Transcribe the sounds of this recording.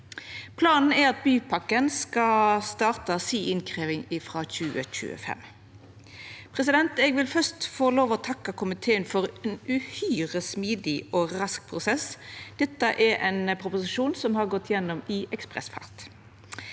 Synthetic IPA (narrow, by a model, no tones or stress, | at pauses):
pʰlɑːnn̩æɾɑt̪̚byːpʰɑkːənskɑst̪ɑːʁt̪əsiːɪnkʰʁeːʋɪŋɪfʁɑːçʉːəc͡çʉ̰ːə̰fɛ̰m | pʰʁɛs̬ɪd̪ɛnt̪ɛːɡʋɪlfœst̪foːloːʋɔt̪ʰɑkːɑkʰʊmɪt̪ʰeːənfɔʁɛnʉhyːʁəsmiːd̪ɪɔʁɑsk̚pʰʁʊsɛsd̪̥ɛt̪ːəʔɛɾʔɛnpʰʁʊpʊsɪʃuːnsɔmhɑʁɡɔt̪ːjɛnːɔmɪʔɛkspʁɛ̰sfɑ̰ʁt̪